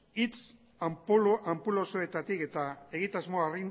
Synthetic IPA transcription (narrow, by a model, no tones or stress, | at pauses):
it͡s | ampulo̞soe̞t̪at̪ike̞t̪ae̞ɣit̪azmoarin